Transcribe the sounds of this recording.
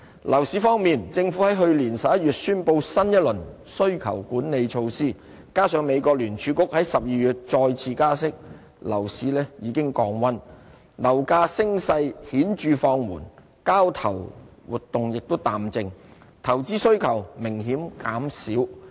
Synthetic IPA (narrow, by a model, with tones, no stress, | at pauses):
lʔɐ˨˩wsiː˨˧˥fɔː˥ŋmiː˨nt͡sɪ˧ŋfu˨˥hɐ˨˥jɦɵ˧ɥliː˨˩nsɐ˨˩p̚jɐ˥yː˨t̚syː˥npo˧wsɐ˥njɐ˥t̚lɵ˨˩n | sɵ˥ɥkʰɐ̰˨˩wkuː˨˥nne˨˧jt͡ʃʰo˧wsiː˥˩ | kaː˥sœː˨˧ŋme˨˧jkɔː˧k̚lyː˨˩nt͡ʃʰyː˨˧kʊ˥k̚hɐ˨˥jsɐ˨p̚jiː˨˧jyː˨t̚t͡sɔː˧jt͡sʰiː˧kaː˥s̬ɪ˥k̚ | lɐ̰˨˩wsiː˨˥lɛː˥jiː˨˧kɪ˥ŋkɔː˧ŋwɐ˥n | lɐ˨˩wkaː˧sɪ˥ŋsɐ˧jhiː˨˥nt͡ʃyː˨˧fɔː˧ŋmṵː˨˩n | kaː˥wt̪ʰɐ˨˩wwuː˨t̚t̪ʊ˨ŋjɪ˨k̚t̪o˥wt̪aː˨mt͡sɪ˧ŋ | t̪ʰɐ˨˩wt͡siː˥sɵ˥ɥkʰɐ˨˩wmɪ˨˩ŋɦiː˨˥mkaː˨˥msiː˨˥w